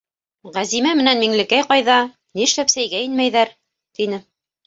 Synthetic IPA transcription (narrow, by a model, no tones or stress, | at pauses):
ʁæzimæmɘ̆nænmiŋlɘ̆kæjqɑjðɑ | niʃlæpsæjɡæinmæjðæɾ | t̪inɘ